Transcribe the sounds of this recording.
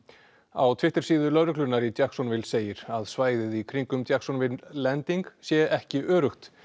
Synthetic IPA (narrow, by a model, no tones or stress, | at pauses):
a̰wt̪ʰvɪht̪ɪɾ̥siːðʏlœɾʏklʏnaɾit̪jaksɔnvɪlseːjɪɾ̥aðsvaːjðɪðikʰɾiŋkʏmt̪jaksɔnvɪnlɛnt̪iŋksjɛɛhcɪʔœːɾʏxt̪